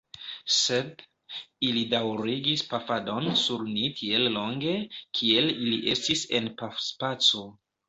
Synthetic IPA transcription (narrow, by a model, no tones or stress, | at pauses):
se̞d | ilidawɾiɡispafado̞nsuɾnitʰie̞llo̞ŋɡe̞kʰie̞liliʔe̞stise̞npafspat͡so̞